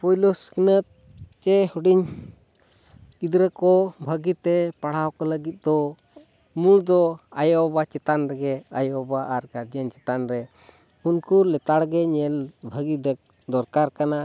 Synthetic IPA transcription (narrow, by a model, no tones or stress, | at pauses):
pɔjluskinət̪̚ | t͡ʃɛhuɖiɲ | kid̪ɾəkɔbʱəɡit̪ɛpaɽ̤awkɔləɡit̪̚d̪ɔ | muɽd̪ɔajɔbat͡ʃɛt̪anɾɛɡɛajɔbaʔaɾɡaɾd͡ʒənt͡ʃɛt̪anɾɛ | unkulɛt̪aɽɡɛɲɛlbʱəɡid̪ək̚ | d̪ɔɾkaɾkana